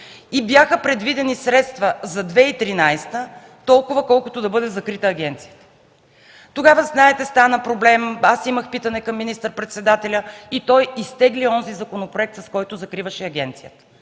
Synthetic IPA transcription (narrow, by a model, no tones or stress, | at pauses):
ibjaxəpɾɛd̪vid̪ɛnisɾɛt̪st̪vɐzɐd̪vɛit̪ɾinajst̪ə | t̪ɔlˠkʊvɐkɔlˠkʊt̪od̪ɐbɤd̪ɛzɐkɾit̪əːɡʲɛnt̪sijət̪ə̥ | t̪oɡavəznaɛt̪ɛst̪anəpɾoblɛmasiməxpit̪ɐnɛkɐmːinist̪əɾpɾɛt̪sɛd̪at̪ɛlʲəit̪ɔjist̪ɛɡliɔnzizɐkonopɾoɛk̚t̪sɐskɔjt̪ʊzɐkɾivɐʃɛɐɡʲɛ̰nt̪sijət̪ə̥